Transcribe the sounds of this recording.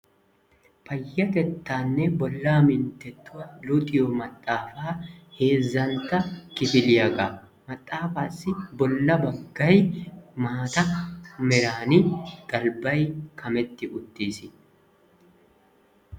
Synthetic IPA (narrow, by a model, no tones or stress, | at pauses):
pɐjːɐt̪ɛt̪ːaːnːɛbɔlːaːmɪnt̪ːɛt̪ːʊwɐlʊt̪ʼɪjɔmɐt̪ʼːaːfaːhe̞ːzːɐnt̪ːɐkɪfɪlɪjaɡaː | mɐt̪ʼːaːfaːsːɪbɔlːɐbɐɡːɐjmaːt̪ɐmɛɾaːnɪɡ̪ɐlbɐjkʰɐmɛt̪ːɪʔʊt̪ːiːsɪ